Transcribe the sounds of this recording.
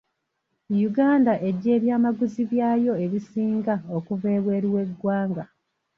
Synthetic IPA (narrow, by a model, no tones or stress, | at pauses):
juɡaːndaʔe̞ɟːe̞ːβjaːmaɡuziβjaːjo̞e̞βisiːŋɡaokuve̞ːβwe̞ːɾiwe̞ɡːwaːŋɡa